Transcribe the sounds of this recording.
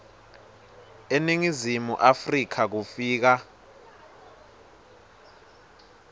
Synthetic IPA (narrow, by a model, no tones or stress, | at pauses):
eniŋizimṵʔafrikʰak̬ufiːk̬a